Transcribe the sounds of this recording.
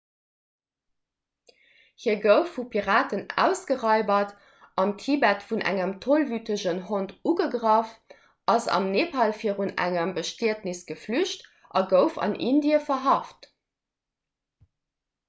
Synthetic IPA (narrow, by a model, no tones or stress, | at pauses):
hiːɐɡəʊfːupʰiʁaːtənæ̰ːʊsɡ̥əʁɑɪbɐt | ʔɑmtʰibætfunʔæ̰ŋəmtʰolvytəʒənɦontuɡəɡʁɑf | ʔɑzɑ̰mneːpʰɑlfiːəʁunæ̰ŋɐmbəʃtiətnisɡ̥əflyʃt | ʔɑɡəʊfɑ̰nʔindiəfɐɦɑft